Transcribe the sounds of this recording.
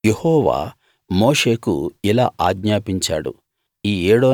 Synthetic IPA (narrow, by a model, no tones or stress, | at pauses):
jehɔːʋa̰ː | moːʂe̞ːkṵila̰ːʔaːɡɲaːpiɲt͡ʃa̰ːɽṵ | iːeːɽoː